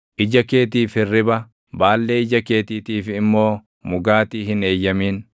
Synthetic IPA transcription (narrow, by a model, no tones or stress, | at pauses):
ʔɪd͡ʒɐke̞ːt̪̬iːfɪrːɪbɐ | baːlːe̞ːɪd͡ʒɐke̞ːt̪iːt̪iːfɪmːo̞ː | mʊɡaːt̪iːɦɪneːjːɐmiːn